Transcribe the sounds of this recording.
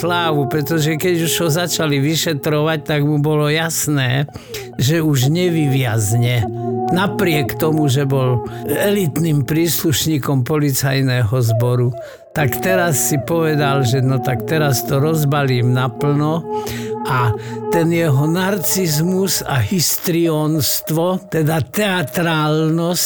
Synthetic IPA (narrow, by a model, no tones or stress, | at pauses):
laːʋupɾɛt̪ɔʒɛkɛɟuʒɦɔzat͡ʃaliʋiʃɛt̪ɾɔʋac̚t̪aɡmubɔlɔjasnɛː | ʒɛuʒɲɛʋiʋɪazɲɛnapɾɪɛkt̪ɔmuʒɛbɔlɛlit̪niːmpɾiːsluʃɲiːkɔmpɔlit͡sajnɛɦɔzbɔɾu | t̪akt̪ɛɾasːipɔʋɛd̪alʒɛnɔt̪akt̪ɛɾast̪ɔɾɔzbaliːmnapl̩nɔ | at̪ɛnjɛɦɔnaɾt͡sizmusaɦist̪ɾiɔːnst̪ʋɔt̪ɛd̪at̪ɛat̪ɾaːlnɔs